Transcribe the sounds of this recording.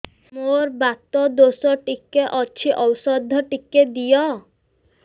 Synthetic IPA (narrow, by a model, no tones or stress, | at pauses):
moɾbat̪ɔd̪osɔʈikːeʔɔt͡ʃʰiʔɔwsɔd̪ʱːɔʈikːed̪ijɔ